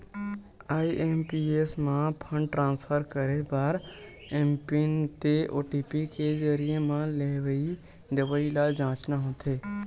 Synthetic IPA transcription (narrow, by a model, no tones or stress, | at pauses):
aːiʔempieːsmãpʰə̃ɳɖʈɾãːnspʰəɾkəɾebaːɾ | eːmpint̪eʔo̰ːʈipikezəɾijemãleʋəi | d̪eʋəilad͡ʒãːt͡ʃnaɦõːt̪ʰeː